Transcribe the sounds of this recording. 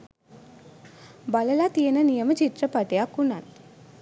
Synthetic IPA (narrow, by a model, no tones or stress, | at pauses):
bɐlɐlat̪ijenɐnijɐmɐt͡ʃit̪ɾɐpɐʈejakːunat̪